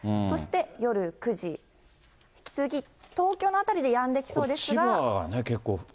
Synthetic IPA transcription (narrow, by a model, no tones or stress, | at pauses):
so̞ɕi̥t̪e̞jo̞ɾɯ̟kɯ̟ʑi | çi̥kʲi̥t͡sɨzkʲit̪o̞ːkʲo̞ːnoat̪aɾʲid̪e̞jãnd̪ekʲi̥so̞ːd̪e̞ɕsɨiɡaaɡa̰neke̞kːoː